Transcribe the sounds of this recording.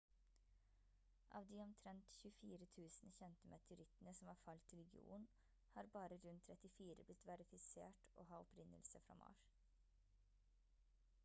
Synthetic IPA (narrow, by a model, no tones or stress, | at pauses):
ʔɑ̰ːʋd̪iːɔmt̪ʰɾɛnt̪çʉfiːɾət̪ʰʉːsnəçɛnt̪əmʔɑt̪ʰʉɾɪt̪ənəsɔmɑːɾfɑlt̪ʰɪlɡɪṵːn | hɑːɾbɑːɾəɾʉnt̪ʰɾɛt̪ɪfiːɾə̰blɪt̪ʋæɾɪfɪsḛːʈʔo̰ːɦɑːɔpɾɪnːə̰lsəfɾɑ̰ːmʔɑ̰ːʃ